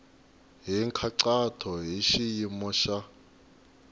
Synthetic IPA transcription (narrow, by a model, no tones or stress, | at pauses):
ɦiŋkʰaǀatʰɔɦiʃijimɔʃa